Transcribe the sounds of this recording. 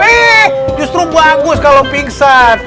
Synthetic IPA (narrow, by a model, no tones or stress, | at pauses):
ɛd͡ʒust̪ɾubaɡʊskalopiŋsat̪